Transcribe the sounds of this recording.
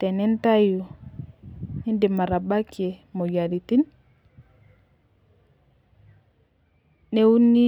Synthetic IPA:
tɛnɛntaju | hindɛmaɾabakɛmɔjaɾitin | nɛwunːi

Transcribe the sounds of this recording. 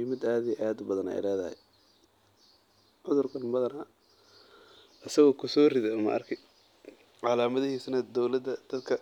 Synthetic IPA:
ɪmɪd̪aːðijɛʔaːd̪bɐðɐnɛ̰jlɛːðɐhɛ̰j | ʕʊðʊrkʰɐnbɐðɐnɐ | ʔɐsɐɣɔːkʰʊsɔːrɪðɛmɐ̰ʔɐrkʰɪ | ʕɑlaːmɐðɪhiːsnɐd̪ɔwlɐd̪ɐd̪̥ɐd̪kʰɐ

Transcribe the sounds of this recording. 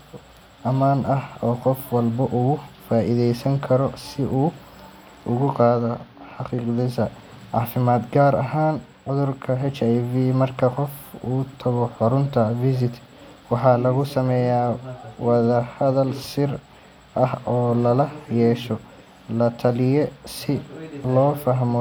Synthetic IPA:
ʔɐmaːnɐhɔːqɔfwɑlbɐʔʊɣʊfaːʔɪðɛjsɐŋkʰɐɾɔsɪʔuː | ʔʊɣʊqɑːðɔħɑqiːqðɪsɐ | ʕɑːfɪmaːd̪ɡaːɾɐɦaːn | ʕʊðʊrkʰɐɦɛt͡ʃajviːmɐrkʰɐqɔfuːt̪ʰɐɣɔħʊɾʊnt̪ʰɐvɪs̬ɪt̪ | wɑħɑːlɐɣʊsɐmɛːjaːwɑðɐhɐðɐlsɪr | ʔɐhɔːlɐlɐjɛːʃɔ | lɐt̪ʰɐlɪjɛsɪlɔːfɐɦmɔ

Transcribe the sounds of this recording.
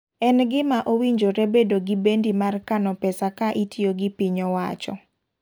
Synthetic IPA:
ɛnɡɪmaʔowiɲd͡ʒoɾebedoɡibendimarkanɔpɛsakaʔitjoɡɪpiɲɔwat͡ʃɔ̰

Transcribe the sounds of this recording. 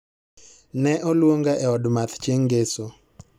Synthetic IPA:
nɛʔɔlwoŋɡaʔɛɔdmat̪t͡ʃjeŋɡeso

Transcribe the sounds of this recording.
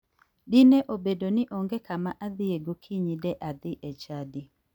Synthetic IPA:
dɪnɛʔobedonɪʔɔŋɡɛkamaʔaðɪeɡokʰiɲidɛʔaðɪʔɛt͡ʃadi

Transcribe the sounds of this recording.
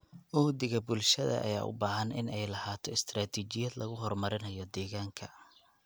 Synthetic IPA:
ʔɔːd̪ɪɣɐbʊlʃɐðɐ̰ʔɐ̰ja̰ːʔʊ̰baːɦɐnɪnɛjlɐhaːt̪ʰɔɪst̪ʰraːt̪ʰiːt͡ʃɪjɐd̪lʔɐɣʊɦɔrmɐɾɪnɐjɔd̪ɛːɣaːŋkʰɐ

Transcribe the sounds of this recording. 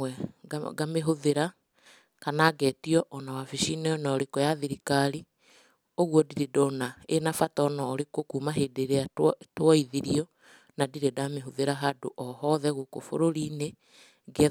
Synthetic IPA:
ɛɡameɦoðeɾa | kanaɡɛtiɔʔɔnawafiʃinɛɔnaɔɾekojaðiɾikaɾi | oɣwɔdiɾedɔnaenafatɔnaːɾekokuːmaɦedeɾeatwɔiðiɾiɔ | nadiɾedameɦoðeɾaɦado̰ʔɔɦɔðɛɣokofo̰ɾoɾine | ɡɛ

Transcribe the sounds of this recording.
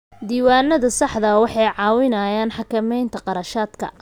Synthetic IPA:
d̪iːwaːnːɐðɐsɑħd̪ɐwɑħɑjʕɑːwɪnɐːjaːnħɑkɐmɛjnt̪ʰɐqɑɾɐʃaːd̪kʰɐ̰

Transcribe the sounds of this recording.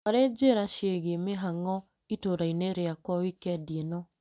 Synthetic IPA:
oɾed͡ʑeɾaʃeɣemeɦaŋɔ | itoɾaineɾeakwɔwikɛdienɔ

